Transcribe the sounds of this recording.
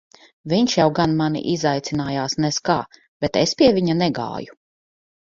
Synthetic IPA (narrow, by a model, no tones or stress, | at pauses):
vʲiɲʃjawɡanmanḭʔizajt̪sʲinaːjaːsnɛskaː | b̥ɛt̪espʲiɛviɲanɛɡa̰ːju